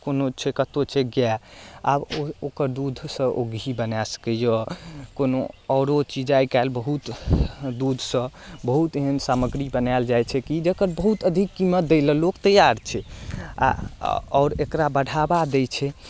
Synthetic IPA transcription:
konot͡ʃʰɛkət̪ot͡ʃʰɛɡjaa̰bookəɾd̪ud̪ʱsə̃ʔoɡibənasə̥kəjəkonoɔɾot͡ʃid͡ʒajkalbəɦut̪d̪ud̪ʱsə̃bəɦut̪eɦənsaməɡɾibənald͡ʒajt͡ʃʰɛkid͡ʒəkəɾbəɦut̪əd̪ʱikːimət̪̚d̪elə̃lokt̪əjaɾt͡ʃʰɛa̰ɔ̰ːɾekɾabəɽʱabad̪ejt͡ʃʰɛ

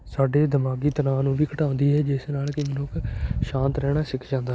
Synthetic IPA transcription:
saːɖeːd̪əmaːɡiːt̪ənãːnũːʋiːkʰəʈaːʊ̃nd̪iːɦɛːd͡ʒɪsnaːlkɪmənʊkʃãːnt̪ɾɛːɽ̃aːsɪkʰd͡ʒãːnd̪aː

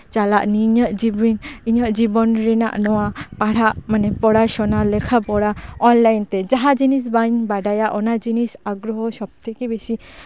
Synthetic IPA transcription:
t͡ʃalaʔniɲəʔd͡ʒibiniɲəʔd͡ʒibɔnɾɛna̰ʔnɔwapaɽaʔmanɛpɔɽaʃɔnalɛkʰapɔɽaɔnlajnt̪ɛd͡ʒaɦad͡ʒinis̬baɲbaɖajaʔɔnad͡ʒinisaɡɾɔɦɔsɔb̚t̪ʰekebesi

